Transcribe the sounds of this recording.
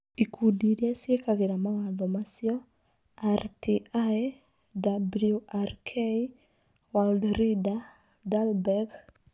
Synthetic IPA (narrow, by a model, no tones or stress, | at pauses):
ikʰudiɾjasjekaɡɪnamaŋaðɔmasjɔ | artʰiʔa | dabljuarkʰei | waldɾida | dalbɛɡ